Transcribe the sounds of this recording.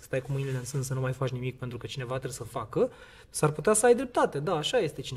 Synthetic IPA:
st̪ajkumɨjneleɨnsɨnssənumajfat͡ʃnimik̚pent̪ɾukət͡ʃine̞vat̪esəfakə | sarput̪easəajd̪ɾe̞p̚t̪at̪e̞d̪aːʃaje̞st̪e̞t͡ʃin

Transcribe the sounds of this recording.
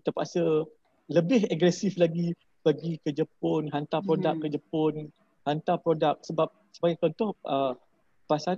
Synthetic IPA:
t̪əpasə | ləbɪɦaɡɾɛsiflaɡi | b̥aɡikəd͡ʒəpʊnɦant̪apɾodak̚kːəd͡ʒəpʊn | hant̪apɾodak̚səbap̚səbaɡat͡ʃɔnt̪ɔhʔə | pasa

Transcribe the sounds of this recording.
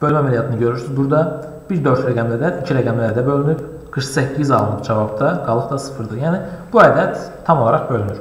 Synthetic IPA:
b̥ølʲmæmælʲijɑt̪ʰɯnɯɟø̞ɾyɾsyzbuɾd̪ɑ | b̥iɾd̪ø̞ɾt̪ʰɾæɡæmd̪æd̪æicʰiɾæɡæmlæɾd̪æbø̞lʲynyb | ɡ̥ɯɾχsæcʰːizɑlˠnɯqd͡ʒɑvɑbd̪ɑɡɑlˠɯχd̪ɑsɯ̥fɯɾd̪ɯjæːnib̥uæːd̪æt̪ʰːɑmolˠɑɾɑχbø̞lʲynyɾ

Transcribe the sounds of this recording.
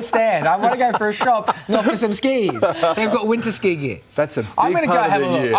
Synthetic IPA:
əstæ̃ndãɪ̃mɡʌ̃nɨɡoʊfə˞ɨʃɑp̚nɔəsʌ̃mskiz̥ðeɪvɡɔt̚wɪ̃ntə˞skiɡɪ̰ | ðætsɨʔã̰ɪmɡʌnɨɡoɦɛvə̃

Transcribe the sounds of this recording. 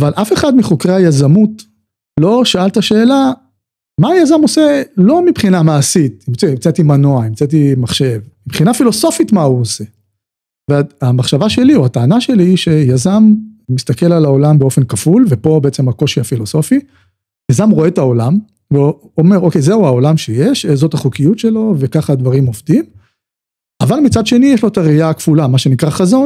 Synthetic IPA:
avalʔafe̞χad̪miχokʁeajazamut | lo̞ʃaalt̪aʃe̞ːla | maːjazamoselo̞mipχinamaːsit̪imt͡seimt͡sat̪imanoaimt͡sat̬imaχʃe̞vmipχinafilo̞so̞fit̪mauose̞ | veaamaχʃavaʃe̞liuat̪aːnaʃe̞liiʃe̞jazamːist̪ake̞lalao̞lambeo̞fe̞nkafulve̞po̞be̞et͡se̞mako̞ʃiafilo̞so̞fi | jazamʁo̞e̞t̪aolam | veo | ome̞ʁo̞ke̞jzeuao̞lamʃejeʃezo̞t̪aχukijut̪ʃe̞lo̞ve̞kaχad̪vaʁimo̞vd̪im | avalmit͡sad̪ʃe̞nijɛʃlo̞t̪aʁiakfulamaʃe̞nikʁaχazo̞n

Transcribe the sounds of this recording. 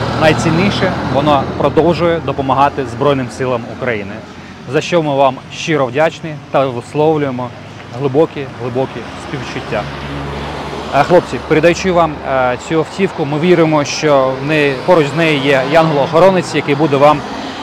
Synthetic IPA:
nɐjt͡sʲinʲːijʃɛʋɔnɔpɾɔd̪ɔwʒʊjɛd̪ɔpɔmɐɦɑt̪ɪzbɾɔjnɪmsɪlˠɐmʊkɾɐjinɪ | zɐʃt͡ʃɔmɪʋɑmʃt͡ʃɪɾɔʋdʲat͡ʃnɪt̪ɐʋɪslˠɔwlʲʊjemɔ | ɦlˠʊbɔkʲiɦlˠɪbɔkʲispʲiwt͡ʃʊtʲːa | xlˠɔp̚t͡sʲipeɾʲɪd̪ɐjut͡ʃɪʋɑmt͡sʲuɔwtʲiwkʊmɪʋʲiɾɪmɔʃt͡ʃɔnɪpɔɾʊt͡ʃznɛjɪjɛjɑnɦɔlˠɔːxɔɾɔnɪt͡sʲjɐkɪbud̪ɛʋɑm

